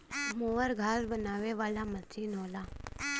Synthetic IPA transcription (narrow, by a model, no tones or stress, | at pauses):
moʋəɾɡʱaːsbənaʋeʋalamət͡siːnɦola